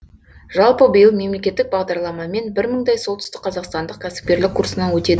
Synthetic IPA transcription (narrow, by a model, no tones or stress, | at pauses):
ʒɑlˠpəbəjəlˠme̞mle̞kʲe̞t̪ːɪk̚bɑʁd̪ɑɾlˠɑmɑme̞nbɪɾməɴd̪ɑjsolˠt̪ʏ̥st̪ɪkqʰɑzɑqst̪ɑnd̪əqkʲʰæsɪ̥p̚kʲe̞ɾlɪkʰːuɾsənɑwɵt̪e̞d̪ɪ